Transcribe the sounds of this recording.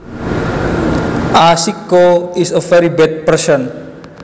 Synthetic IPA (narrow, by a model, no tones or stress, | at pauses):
ʔasikoisəfɛɾibɛd̚pəsɔn